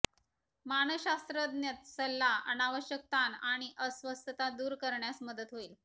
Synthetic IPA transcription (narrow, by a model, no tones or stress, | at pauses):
manəɕast̪ɾəd̪njət̪səlːaə̰naʋəɕjək̚t̪anaɽ̃iʔəsʋəst̪ʰət̪ad̪uːɾkəɾɳjasməd̪ət̪ɦoiːl